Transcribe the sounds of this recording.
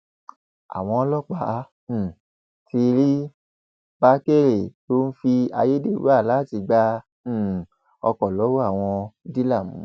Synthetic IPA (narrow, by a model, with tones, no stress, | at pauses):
a̰˨w̃ɔ̃˧lɔ˦k͡pã˧˦˧ | fi˧ɾi˦ | ba˦ke˦˨ɾe˨to˦n̩˦fi˧a˧je˦de˦˨ɾu˦a˦˨la˨˦˨ti˧ɡ͡bã˧˨ | ɔ̰˧kɔ˨lɔ˨˦wo˦a˦˨w̃ɔ̃˧di˦la˦˨mũ˨˦